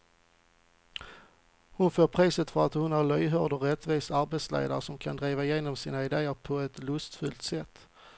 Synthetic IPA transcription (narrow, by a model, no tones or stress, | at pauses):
hʊnføːɾpʰɾiːsət̪fœɾat̪hʊnhæɾɭœjɦœɖɔɾɛt̪viːsaɾbet̪slḛːd̪a̰ɾəʂɔmkʰand̪ɾiːvaɪjeːnɔmsiːnaɪd̪eːəɾpʰɔɛt̪lɵst̪fɵlt̪sɛt̪ː